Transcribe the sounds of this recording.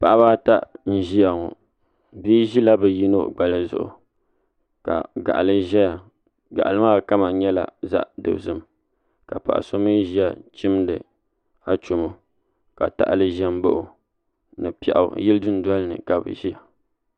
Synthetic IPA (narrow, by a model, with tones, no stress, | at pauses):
pa˨ʔa˦βaː˦ta˦ʔn̩˦ʒi˦ja˨ŋo̰˨ | biː˦ʒi˦la˦bɛ˨ji˦no˦ɡ͡ba˨lɨ˦zʊ̰˨ʔʊ̰˨ | ka̰˨ɡa̰˨ʔa˨lɨ˦ʒɛ˦ja˨ | ɡa̰˨ʔa˨lɨ˦maː˦˨ka˦ma˨ɲɛ˦la̰˨za̰˦ʔdɨ̰˨bzɨ˦m | ka˨pa̰˨ʔa̰˨so˦mɨ˦ʒi˦a˨t͡ʃɪ˦mdɨ̰˨ | a˨t͡ʃo˨mo˦ | ka˨ta̰˦ʔlɨ˦ʒɛ˦m˦bo˦ʔʊ˨ | nɨ˨pɛ̰˨ʔa̰˨˦jɪ˦lɨ˦dɨ˦n˦da˦lnɨ̰˨ka˨bɨ̰˨ʒi˦ja˨